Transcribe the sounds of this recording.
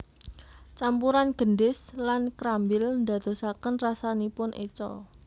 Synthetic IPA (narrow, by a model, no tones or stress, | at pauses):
t͡ʃampuɾanɡ̥ə̤nɖɪslankɾambɪlnd̪a̤d̪̥o̤sakənrasanipʊnʔet͡ʃɔ̰